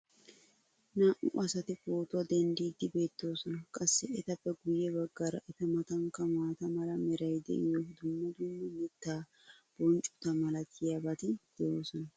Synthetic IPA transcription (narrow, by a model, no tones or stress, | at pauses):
naːʔʊʔɐsɐt̪ɪfo̞ːt̪ʊwɐd̪ɛnd̪iːd̪ɪbe̞ːt̪ːo̞ːsɔnɐkʼɐsːɛɛt̪ɐbɛɡʊjːɛbɐɡːɐɾɐ̰ʔɛt̪ɐmɐt̪ɐŋkːɐmaːt̪ɐmɐlɐmɛɾɐjd̪ɛ̰ʔɪjɔd̪ʊmːɐd̪ʊmːʊmɪt̪ːaː | b̥ɔnt͡ʃʼʊ̥t̪ɐmɐlɐtʰːɪjabɐt̪ɪd̪̥ɛjo̞ːsɔnɐ